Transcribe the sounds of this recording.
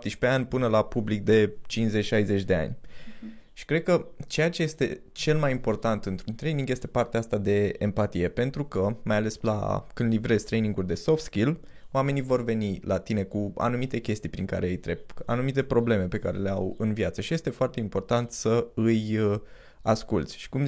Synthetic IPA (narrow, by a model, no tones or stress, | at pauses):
t̪iʃʲpe̞anʲpɨnəlapublik̚d̪e̞t͡ʃinsze̞t͡ʃʲʃajze̞t͡ʃʲd̪e̞a̰nʲ | ʃi̥kɾe̞d̪̚kət͡ʃe̞jat͡ʃe̞je̞st̪e̞ | t͡ʃe̞lmajimpo̞rt̪ant̪ɨnt̪ɾunt̪ɾe̞jniŋɡjest̪e̞part̪eaast̪ad̪e̞ːmpat̪ije̞pe̞nt̪ɾukəmajale̞sla̰kɨnd̪livɾe̞z̥ʲt̪ɾe̞jniŋɡulʲd̪e̞so̞ft̪skʲil | oame̞nivo̞rve̞nilat̪ine̞kua̰numit̪e̞kʲe̞st̪ijpɾiŋka̰ɾe̞ɨjt̪ɾe̞p̚a̰numit̪e̞pɾo̞ble̞me̞pe̞kaɾe̞le̞a̰wɨnvjat̪səʃije̞st̪e̞foart̪e̞impo̞rt̪ant̪səɨj | askult̪sʲʃi̥kum